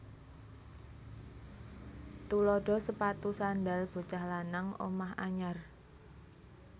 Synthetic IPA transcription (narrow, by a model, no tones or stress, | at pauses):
t̪ulɔɖ̥ɔ̤səpat̪usandalb̥o̤t͡ʃahlanaŋʔo̰maha̰ɲar